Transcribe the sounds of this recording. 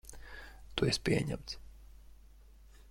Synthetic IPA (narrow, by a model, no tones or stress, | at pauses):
t̪uɛspʲiɛɲæ̰mt̪s